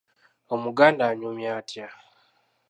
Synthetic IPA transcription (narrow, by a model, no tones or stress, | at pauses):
omuɡaːndaːɲumjaːtja